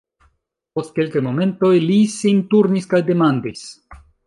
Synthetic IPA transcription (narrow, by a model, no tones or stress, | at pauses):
po̞st̚kelkajmo̞me̞nto̞jlisintuɾniskajde̞mandis